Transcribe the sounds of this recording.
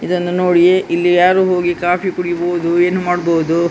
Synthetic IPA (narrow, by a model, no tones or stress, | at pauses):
id̪ɐnːunoːɽijeʔilːijaːɾuːɦo̞ːɡikaːpikuɽiboːud̪ue̞ːnumaːɽboːud̪u